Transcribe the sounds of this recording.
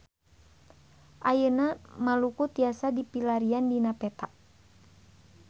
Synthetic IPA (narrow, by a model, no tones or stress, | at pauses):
ʔajənamalukut̪iasadipilaɾiandinapɛt̪aʔ